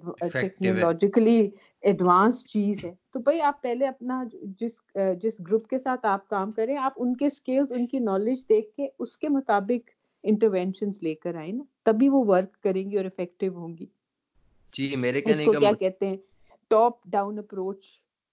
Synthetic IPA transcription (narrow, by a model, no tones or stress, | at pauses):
ɛknolɔːd͡ʒɪkəli | ɛɖʋãːnst͡ʃiːzɦɛːt̪obɐiaːpːɛɦleɐpnad͡ʒɪs | d͡ʒɪsɡɾʊpkesaːt̪ʰaːp̚kaːmkɐɾẽɛ̃aːpʊnkeskeːlzʊnkinɔːlɪd͡ʒd̪eːkʰːeʊskemʊt̪aːbɪk | ɪ̃ɳʈəɾʋɛ̃nʃənzleːkəɾaːẽnat̪ɐbʱiʋoʋɐɾkːɐɾẽːŋɡiɔːɾɪfɛkʈɪʋɦõːŋɡiː | d͡ʒieɾɪskojaːkɛɦt̪eɦɛ̃ː | ʈɔːp̚ɖãːʊ̃nəpɾoːt͡ʃ